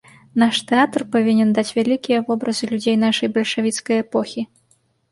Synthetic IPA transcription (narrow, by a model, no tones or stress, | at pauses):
naʂt̪ɛat̪rpavʲinʲɛnd̪at͡sʲvʲalʲikʲijɐvɔbɾɐzɨlʲud͡zʲejn̪aʂɐjbɐlʲʂavʲit̪skɐjɛpɔxʲi